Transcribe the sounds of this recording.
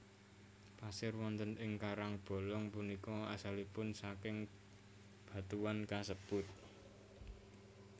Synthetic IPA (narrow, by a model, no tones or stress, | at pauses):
pasɪrwɔnt̪ənʔɪŋkaɾaŋb̥o̤lɔŋpunikɔasalipʊnsakɪŋ | b̥a̤t̪uwankasəb̥ʊt̪̚